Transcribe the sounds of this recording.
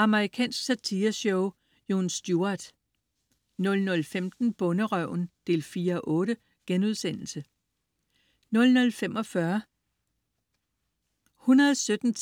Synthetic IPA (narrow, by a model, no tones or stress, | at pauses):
ɑ̈məʁikʰɛ̰ːnsɡ̥sæt͡sʰiːɐɕɔʊ | jo̝nsd̥juɑd̥ | nɔ̽lnɔ̽lfemd̥n̩b̥ɔ̽nəʁœʊ̰nd̥e̝̰lfiːɐʔɔ̽ːɾə | ɡ̥enuð̞ˠsen̰l̩sə | nɔ̽lnɔ̽lfem̰ɒ̽fɶɐ | hunɐðˠsød̥n̩ʰ